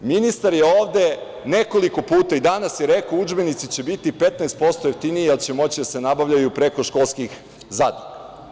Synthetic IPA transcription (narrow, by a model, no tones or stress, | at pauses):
minist̪aɾje̞o̞ːʋd̪e̞ | ne̞ko̞liko̞puːt̪aid̪anasjeɾe̞kaoud͡ʒbe̞nit̪sit͡ɕe̞bit̪ipe̞t̪naest̪po̞st̪ojeft̪inijialˠt͡ɕemo̞t͡ɕid̪ase̞nabaʋʎajupɾe̞ko̞ʃko̞lˠskix | zaːd̪nika